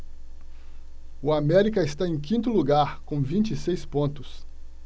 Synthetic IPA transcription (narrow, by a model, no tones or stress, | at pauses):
ʊamɛɾikɐɪst̪aẽj̃kĩnt̪ʊluɡaɾkõvĩt͡ʃisejspõnt̪ʊs